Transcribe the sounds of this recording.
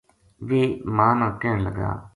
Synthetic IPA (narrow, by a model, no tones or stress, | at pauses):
ʋeːmãːnãːkɛːəɳləɡa̰ː